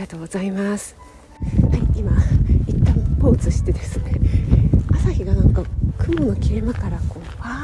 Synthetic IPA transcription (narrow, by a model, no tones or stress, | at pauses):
at̪oːɡo̞zaimasɨ̥ | haiimait̪ːãmpo̞ːt͡sɨɕi̥t̪e̞d̪e̞sɨne̞ | asaçiɡanãŋkakɯ̟mono̞kʲiɾemakaɾako̞ːa